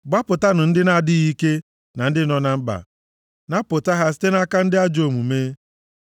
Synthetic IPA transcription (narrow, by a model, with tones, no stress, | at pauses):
ɡ͡ba˦pʊ˨ta˦nʊ˨n̩˦dɪ˦na˦˨dɪ˦ɣi˦ke˦ | na˨n̩˦dɪ˦nɔ˦na˨m̩˦ba̰˨ | na˦pʊ˨ta˦ɦa˦s̬i̥˦te˦n˦a˦ka˦n̩˦dɪ˦a˦d͡ʒo˨mu˨meː˦